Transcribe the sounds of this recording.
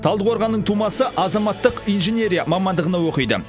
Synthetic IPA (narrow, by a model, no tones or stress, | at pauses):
t̪ʰɑlˠd̪əqwo̞ɾʁɑnːəɴt̪ʰumɑsəʔɑzɑmɑt̪ːəqijnʒenʲeɾʲijamɑmɑnd̪əʁənɑwo̞qəjd̪ə̰